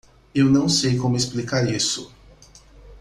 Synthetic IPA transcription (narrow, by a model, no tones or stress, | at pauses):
ewnɐ̃w̃sejkõmʊesplikaɾisʊ